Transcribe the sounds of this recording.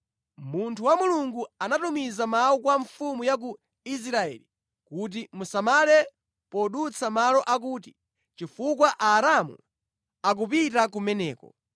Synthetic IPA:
muntʰuwamuluŋɡuanatumizamaukwaɱfumujak̬u | is̬ɾaɛ̰ːli | kut̬imusamalɛ | pɔɗut͡sʰamalɔʔak̬uːti | t͡ʃifuk̬waʔaːɾamṵ | ak̬upitak̬umɛnɛːkɔ̰

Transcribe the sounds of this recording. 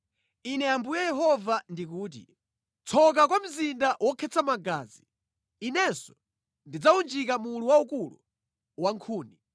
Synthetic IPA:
inɛambujɛjɛɦɔvandik̬uːt̬ḭ | t͡sʰɔk̬akwam̩zindawɔkʰɛt͡sʰamaɡaːziː | nɛsɔ̥ | ndid͡zaund͡ʒikamuːluwaukulṵ | waŋkʰuːni

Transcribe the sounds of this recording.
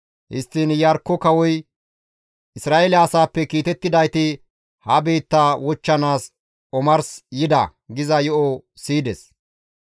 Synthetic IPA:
hɪ̰st̪ːinjɐɾkːɔkɐwɔj | ʔɪsɾaːʔelɛɐsaːpːɛkiːt̪ɛt̪ːɪd̪ɐjt̪ɪ | hɐbe̞ːt̪ːaːwɔt͡ʃːɐnaːs | ɔmɐɾsjɪd̪ɐ̰ɡɪzɐjɔʔɔsiːd̪ɛs

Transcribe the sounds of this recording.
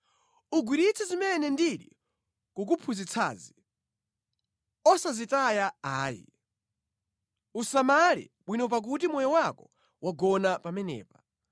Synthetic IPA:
uɡwiɾit͡sʰɛzimɛnɛndiɗḭ | kuk̬upʰuzit͡sʰa̰ːzi | ɔsazitajaaːjḭ | usamaɾḭɓwinɔp̬ak̬ut̬imɔjɔwakɔ | wʔaɡɔnapamɛnɛ̰ːpḁ

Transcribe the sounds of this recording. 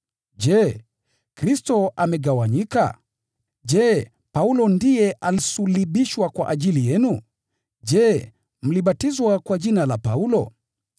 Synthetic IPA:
ʄɛ | kɾistɔʔamɛɠawaɲika̰ | ʄɛ | paulɔndijɛʔalisuliɓiʃwakwa̰ʔaʄilijɛnu | ʄɛ | m̩liɓatizwakwaʄinalapaulɔ̰

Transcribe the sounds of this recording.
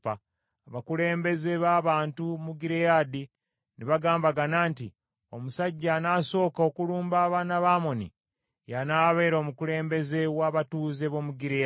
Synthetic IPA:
βakule̞ːmbe̞ze̞βaːβaːntumuɡiɾejadi | niβaɡaːmbaɡanaːnti | o̞̰musaɟːanaːso̞ːkao̞kuluːmbaːβaːnaβaːmo̞nḭ | janaːβe̞ːɾo̞ːmukuɾe̞ːmbe̞ze̞waːβatuːze̞βo̞muɡiɾea

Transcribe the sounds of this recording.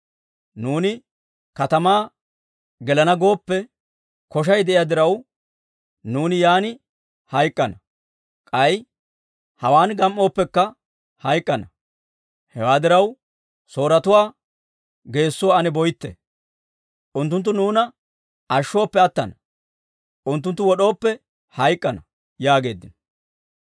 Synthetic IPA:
nuːnɪ | kɐt̪ɐmaː | ɡɛlɐnɐɡo̞ːpːɛ | kɔʃ̬ɐjd̪ɛʔɪjad̪ɪɾɐw | nuːnɪjaːnɪ | hɐjkʼːɐnɐ | kʼɐj | hɐwaːnɡɐmʔo̞ːpːɛkːɐ | hɐjkʼːɐnɐ | hɛwaːd̪ɪɾɐw | so̞ːɾɐt̪ʊwaː | ɡe̞ːsːʊwaɐnɛbɔjt̪ːɛ̰ | ʔʊnt̪ːʊnt̪̬ːʊnuːnɐ | ɐʃːo̞ːpːɛɐt̪ːɐ̰nɐ | ʔʊnt̪̬ːʊnt̪ːʊwɔɗo̞ːpːɛ | hɐjkʼːɐnɐ | jaːɡe̞ːd̪ːɪnɐ

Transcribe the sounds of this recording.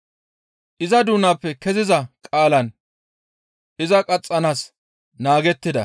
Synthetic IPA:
ʔɪzɐd̪uːnapːɛkɛzɪzɐkʼaːlɐn | ʔɪzɐkʼɐt͡sʼːɐnaːs | naːɡɛt̪ːɪd̪ɐ̰

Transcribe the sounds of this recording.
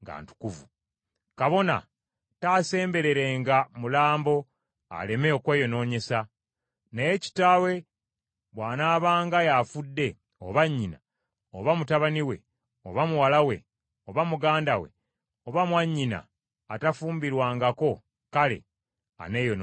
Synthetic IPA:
ŋɡa̰ːntu̥kuvu | kaβo̞na̰ | taːse̞ːmbe̞ɾe̞ɾe̞ŋɡamulaːmbo̞ | a̰le̞meokweːjo̞no̞ːɲe̞sa | nejeci̥taːwe̞ | βwaːnaːβaːŋɡajafudːe̞ | o̰βaɲːina̰ | oβamutaβaniwe̞̰ | oβamuwalawe̞̰ | oβamuɡaːndawe̞̰ | o̞βamwaɲːina̰ː | tafuːmbiɾwaːŋɡako̞ | kalḛ | a̰neːjon

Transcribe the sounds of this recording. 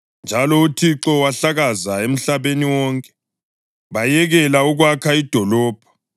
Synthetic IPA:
nd͡ʒʱalɔutʰiǁɔwaɬaɣazaem̩ɬaβeniwɔŋkʼɛ̥ | βajɛɣɛlauɣwakʰaid̥ʱɔlɔːb̥ʱɔ̥

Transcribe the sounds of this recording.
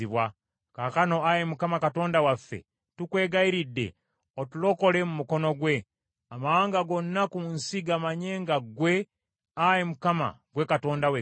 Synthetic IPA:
iβwa | kakano̞ajemukamakato̞ːndawafːḛ | tukwe̞ːɡaiɾidːe̞̰ | otulo̞ko̞le̞mumuko̞no̞ɡwe̞ | amawaːŋɡaɡo̞nːakunsiɡamaɲe̞ːŋɡaɡwe̞ | ajemukama̰ɡwe̞kato̞ːndawe

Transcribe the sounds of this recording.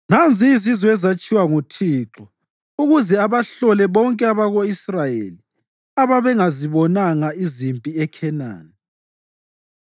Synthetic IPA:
nand͡zʱiːzizɔɛzat͡ʃʼiwaŋutʰiːǁɔ | uɣuzɛaβaɬɔlɛβɔŋkʼɛaβaɣoisrajḛli | aβaβɛŋaziβɔnaŋaizimpʼiɛkʰɛna̰ːni

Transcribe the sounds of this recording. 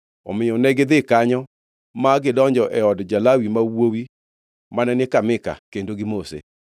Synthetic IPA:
ɔ̰mɪɔnɛɡɪd̪ɪkaɲɔ | maɡɪdɔɲd͡ʒɔʔɛɔdd͡ʒalawimawowi | manɛnɪkamɪka̰kendoɡɪmosḛ

